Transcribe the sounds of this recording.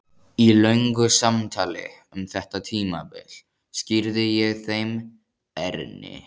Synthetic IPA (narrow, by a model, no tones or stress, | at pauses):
ilœɥŋkʏsamt̪ʰaːlɪ̰ | ʏmθɛht̪at̪ʰiːma̰pɪ̰l̥ | scɪɾðɪjɛɣθejm | ɛɾnɪ̰